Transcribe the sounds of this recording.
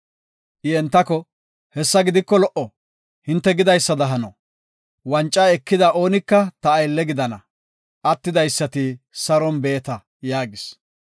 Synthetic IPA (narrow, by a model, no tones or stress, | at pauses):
ʔɪɛnt̪ːɐkɔ | hɛsːɐɡɪd̪ɪkːɔlɔʔɔ | hɪnt̪ːɛɡɪd̪ɐjsːɐd̪ɐɦɐnɐ | wɐnt͡ʃʼːaːɛkːɪd̪ɐʔo̞ːnɪkːɐt̪ɐːjlːɛɡɪd̪ɐnɐ | ʔɐt̪ːɪd̪ɐjsːɐt̪ɪsɐɾɔnbeːt̪ɐ | jaːɡɪs